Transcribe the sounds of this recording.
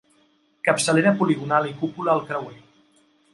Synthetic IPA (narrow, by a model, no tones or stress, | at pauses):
kəpsəleɾəpuliɣ̞unalikupuləːlˠkɾəwe